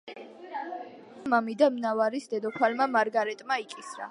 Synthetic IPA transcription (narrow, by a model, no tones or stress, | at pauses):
amamid̪amnavaɾisd̪ɛd̪ɔkʰwalmamaɾɡaɾɛt̪ʼmaikʼisɾa̰